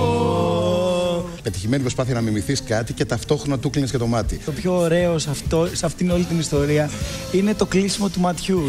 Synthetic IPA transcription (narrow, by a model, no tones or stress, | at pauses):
o | pe̞t̪içime̞nipɾpɐθiɐnɐmimiθiskɐt̪ice̞t̪ɐft̪o̞xɾo̞nɐt̪uklinzʝɐt̪o̞mɐt̪iopço̞ːɾe̞osɐft̪osɐft̪ino̞lit̪inist̪o̞ɾiɐine̞t̪o̞klisimo̞t̪umɐt̪çu